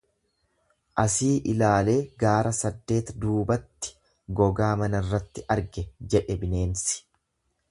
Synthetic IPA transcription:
ʔɐsiːʔɪlaːle̞ːɡaːɾɐsɐd̪ːe̞ːt̪d̪uːbɐt̪ːɪ̥ | ɡɔɡaːmɐnɐrːɐt̪ːɪʔɐɾɡɛd͡ʒɛᶑɛbɪne̞ːnsɪ̥

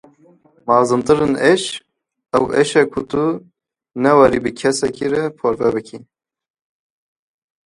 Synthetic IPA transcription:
mɑːzɨnt̪ɨɾɨneʃ | ɛwʔeʃɛkʰʊt̪u | nɛwɑɾibɨkʰɛsɛkiɾɛpʰoɾvɛbɨkʰi

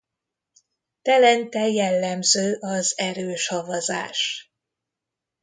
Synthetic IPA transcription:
t̪ɛlɛnt̪ɛjɛlːɛmzøːʔɒzɛɾøːʃhɒvɒza̰ːʃ

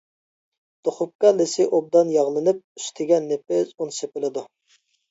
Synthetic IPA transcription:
d̪̥oχʊp̚kɑlɪsɪʔob̚d̪ɑnjɑʁlˠɨnɨp̚y̥st̪ʰɪɡʲɛnːepɪzunsepɪlˠɨd̪u

